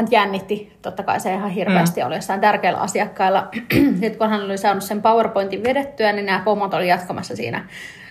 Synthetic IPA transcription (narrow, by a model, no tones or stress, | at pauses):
ænt̪jænːit̪ːit̪ot̪ːɑkɑ̰iseihɑhirʋeæst̪io̰liɑsːɑˑint̪ærkeːlːʔæ̰ɑ̰siɑkːɑilːɑsit̪konhænolisɑːnussempɑwerpoint̪iʋʋedet̪ːyæninnæːpomːot̪olijɑt̪kɑmɑsːɑsḭːnæ̰